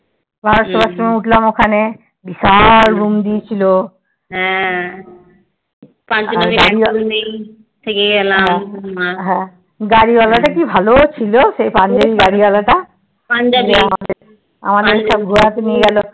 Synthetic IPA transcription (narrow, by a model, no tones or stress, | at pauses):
bʱaɹɔt̪ɔbasɔmeuʈʰlamokʰane | bisaɹbumd̪ijt͡ɕʰilo | ɦɛ̃ | panaɡaɾiane | tʰekeɡɛlaɦ | ɦɛ̃ | ɡaɹibalaʈakibʱalot͡ɕʰilosejpand͡ʒabiɡaɽibalaʈa | pand͡ʒad͡ʒeamad̪e | a̰mad̪eɾisab̚ɡuat̪enijeɡɛlɔ